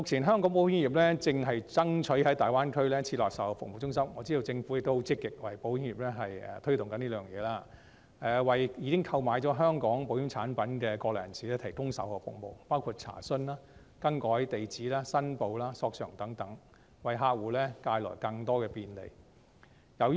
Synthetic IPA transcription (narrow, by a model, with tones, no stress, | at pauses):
mʊ˨k̚t͡sʰiː˨˩nɦœː˥ŋkɔ˨˥ŋp̬o˨˥whɪ˥ŋnjiː˨˩p̚lɛː˥t͡sɪ˧ŋɦɐ˨jt͡sɐ˥ŋt͡ʃʰɵ˨˥ɥhɐ˨˥jt̪aː˨jwaː˥nkʰɵ˥ɥlɛː˥t͡sʰiː˧t̚lɔː˨k̚sɐ˨˥whɔ˨˧fʊ˨mo˨wt͡sʊ˥ŋsɐ˥mŋɔ˨˧t͡siː˥do˨˧wt͡sɪ˧ŋfu˨˥jk̚t̪o˥ho˨˥wt͡sɪ˥kːɪ˨k̚wɐ˨˩jpo˨˥wjɪ˥ŋjiː˨˩lɛ˥ɦɐ˨jɛ̰˧t̪ʰɵ˥t̪ʊ˨ŋkɐ˨˥nliː˥lœː˨˩ŋjɛ̰ː˨˧laː˥ | ʔɛ˨wɐ˨˩jjiː˨˧kɪ˥ŋkʰɐ˧wmaː˨˧˥jt͡ʃɔː˨˥ɦœː˥ŋkɔː˨˥ŋpo˨˥wjɪ˨˧˥ŋt͡sʰaː˨˥npɐ˨˥nkɛː˧kɔː˧lɔː˨˩˨ɐ˨˩nsiː˨lɛː˥t̪ʰɐ˨˩jkʊ˥ŋsɐ̰˨˥wɔː˧fʊ̰˨˩k̚mo˨wpaː˥wkʰuː˧t̚t͡sʰa̰ː˨˩sɵ˥naː˥ | kɐ˥ŋkɔː˨˥ɐ˥˨˥jt̪e˨jt͡siː˨˥laː˥sɐ˥npo˨˧wlaː˥sɔː˧k̚sœ̰ː˨˩ŋt̪ɐ˨˥ŋt̪ɐ˨˥ŋ | wɐ˨jɦaː˧k̚wuː˨˥lɛ˥kaː˧jlɔ̰ː˨˩jkɐ˧ŋt̪ɔː˥kɛː˧piː˧nlḛ˨˩j | jɐ˨w